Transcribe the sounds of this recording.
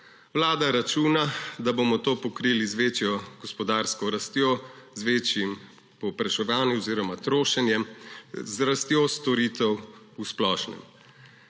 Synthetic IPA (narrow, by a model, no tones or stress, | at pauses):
wlaːd̪aɾat͡ʃuːnad̪abomɔt̪oːpɔkɾiːlizʋeːt͡ʃjɔɡ̥ɔspɔd̪aːɾskɔɾast̪joːzʋeːt͡ʃjim | pɔwpɾaʃɛʋaːnjuɔziːɾɔmat̪ɾoːʃɛnjɛmzɾast̪joːst̪ɔɾiːt̪ɛw | usplɔːʃnɛ̰m